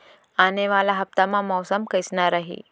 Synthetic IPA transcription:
aneʋalaɦəpt̪amãmɔwsəmkəjsnaɾəɦḭ

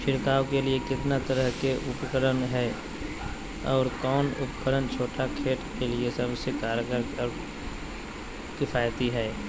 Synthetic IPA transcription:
ʃɪɾkaːwkeliekɪt̪nat̪əɾəɦkeʔʊpkəɾənɦɛː | ɔːɾkɔːnʊpəkəɾənt͡ʃʰoːʈakʰeːʈkeliesəbsekaːɾjkəɾɔːɾ | kɪfʰaːjt̪iɦɛː

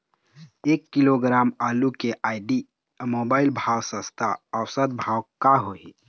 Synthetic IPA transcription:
ekːiloɡɾaːmaːlukeʔaːɪɖi | mobaːɪlbʱaːwsə̃st̪ʰaəwsəd̪̚bʱaːwkaɦoḭ

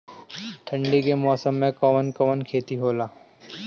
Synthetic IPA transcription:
ʈ̪ʰɐ̃ɳɖikemɔːsəmːẽkɐʋənkɐʋənkʰeːt̪iɦoːlaː

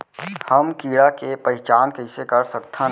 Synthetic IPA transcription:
həmkiːɽakepəɦɪt͡ʃaːnkəɪsekəɾsək̚t̪ʰã

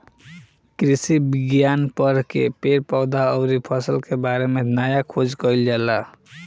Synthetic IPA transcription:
kɾisibiɡjanpəɾkepeɾpaʊd̪aəʊɾipʰəsəlkebaɾemenajakʰod͡ʒkəild͡ʒala

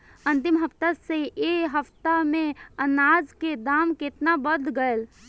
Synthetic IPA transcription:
ə̃nt̪ɪmɦəpt̪aseeɦəpt̪amẽənad͡ʒked̪aːmket̪nabəd̪ʱɡəel

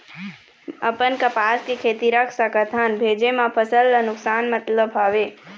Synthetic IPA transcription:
ɐpənkɐpaːskikʰeːt̪iɾəkʰsəkət̪ʰanbʱeːd͡ʒemãpʰəsəlːənʊksaːnmɐt̪ləbʱɦaːʋeː

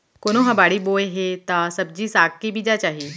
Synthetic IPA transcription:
konoɦɐbaːɽiboːeɦet̪asɐb̚d͡ʑisaːkːibid͡ʑat͡ɕaːɦiː

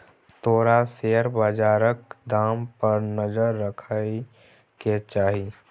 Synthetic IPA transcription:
t̪oːɾaseːəɾbəd͡ʒaːɾək̚d̪aːmpəɾnəd͡ʒəɾːəkʰae | ket͡ʃaːɦi

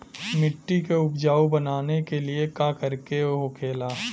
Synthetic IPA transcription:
mɪʈːikeʊbd͡ʒaːobɐnaːnekeliekakɐɾkeɦokʰeːlaː

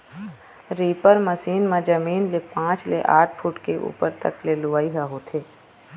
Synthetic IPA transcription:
ɾiːpəɾməsiːnmãd͡ʒəmiːnlepãːt͡ʃlḛʔaːʈʰfʰuːʈkeʔṵːpəɾt̪ə̰klelʊʋaːiɦaɦoːt̪ʰeː

